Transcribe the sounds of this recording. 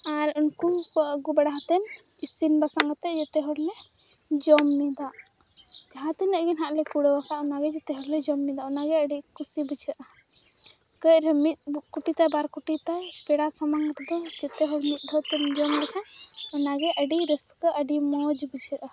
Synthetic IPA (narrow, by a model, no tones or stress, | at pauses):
aɾunkunɔɡubɛɽaɦat̪ɛn | isinbasaŋɡat̪ɛd͡ʒɛt̪ɛɦɔɾlɛd͡ʒɔmnid̪aʔ | d͡ʒaɦãt̪ɛnəʔɡinɦaʔlɛkuɽɔwakaʔɔnaɡɛd͡ʒɛt̪ɛɦɔɾlɛd͡ʒɔmnid̪aɔnaɡɛəɖikusibəd͡ʒəʔə | kəʔɾɛmit̪̚kuʈit̪ajbaɾkuʈit̪ajpɛɽasɔmaŋɡət̪ɛd̪ɔd͡ʒɛt̪ɛɦɔɾmit̪̚ˀɖʱɔt̪ɛnd͡ʒɔmlɛkʰanɔnaɡɛʔəɖiɾəskəʔəɖimɔd͡ʒbəd͡ʒəʔ